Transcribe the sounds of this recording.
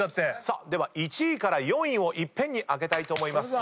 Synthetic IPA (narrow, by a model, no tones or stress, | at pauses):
t̪ːesad̪e̞βait͡ɕiːkaɾajõ̞ɰ̃ĩɰ̃o̞ʔipːẽ̞ɲ̟ːiʔaɡe̞t̪ait̪o̞ːmo̞imasɨ̥